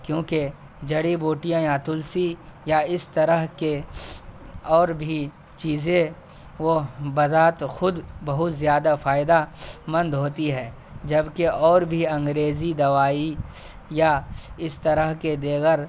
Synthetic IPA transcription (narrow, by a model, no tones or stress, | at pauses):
kjõːke | d͡ʒɐɽiboːʈijãjat̪ʊlsijaɪst̪ɐɾəɦke | ɔːɾbʱi | t͡ʃiːzẽ | ʋobɐzaːt̪xʊd̪bɐɦʊt̪zjaːd̪afaːɪd̪amɐ̃nd̪ɦoːt̪iɦɛ̃ː | d͡ʒɐbkeʔɔːɾbʱiɐ̃ŋɡɾeːzid̪ɐʋaːi | jaɪst̪ɐɾəɦked̪eːɣəɾ